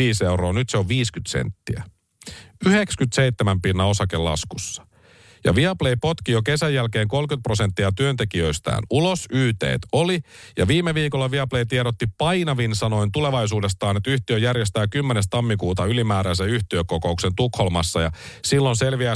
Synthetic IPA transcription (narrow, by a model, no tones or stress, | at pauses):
iːse̞uɾo̞ːnyt̪se̞oʋʋiːskyt̪sḛnt̪ːiæ̰ | yhe̞kskyt̪seijt̪ːemæmpinːɑo̞sɑkelɑ̰skusːɑ̥ | jɑ̰ʋiɑplejpo̞t̪kijoke̞sæjːælke̞ːŋko̞lkyt̪̚pro̞se̞nt̪ːiɑt̪yønt̪e̞kiø̞ist̪æ̰ːnulo̞syːt̪e̞̰ːt̪o̞lijɑʋiːmːeʋiːko̞lːɑʋiɑplejt̪ieɾot̪ːipɑjnɑʋinsɑno̞int̪ule̞ʋɑjsuːde̞st̪ɑːnet̪yht̪iøjærjest̪æːkymːene̞s̬t̪ɑmːikuːt̪ɑylimæːɾæns̬æyht̪iøko̞ko̞ukse̞nt̪ukholmɑsːɑjɑsilːo̞nse̞lʋiæ